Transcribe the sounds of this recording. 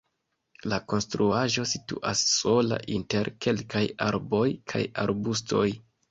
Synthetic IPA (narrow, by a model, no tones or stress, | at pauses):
lako̞nstɾuaʒo̞sitṵʔasːo̞la̰ʔinte̞ɾke̞lkajaɾbo̞jkʰa̰ja̰ɾbus̬tʰo̞j